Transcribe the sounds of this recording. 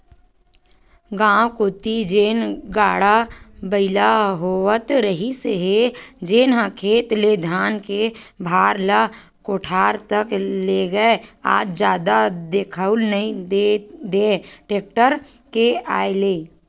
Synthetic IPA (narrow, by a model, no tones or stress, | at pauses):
ɡãːwkoːt̪id͡ʒeːnɡaːɽabəɪlaɦoːwət̪ɾəɦiseɦed͡ʒeːnɦãkʰeːt̪led̪ʱaːnkebʱaːɾla | koʈʰaːɾt̪əkleɡəea̰ːd͡ʒd͡ʒjaːd̪ad̪ekʰəʊlnəɦĩed̪eːʈeːk̚ʈəɾ | kea̰ːeleː